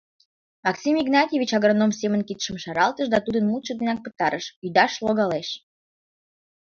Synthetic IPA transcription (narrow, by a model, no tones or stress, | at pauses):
mɑksʲimiɡnɑt̪ʲjevʲit͡ɕɑɣronomsʲemənkit̪ʃəmʃɑɾɑlt̪əʃd̪ɑt̪ud̪ənmut̪t͡ʃəd̪enɑk̚pət̪ɑɾəʃyd̪ɑʃloɣɑleʃ